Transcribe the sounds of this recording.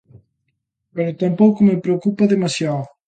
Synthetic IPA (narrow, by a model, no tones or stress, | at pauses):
peɾot̪ampowkʊmepɾeokupaðemasja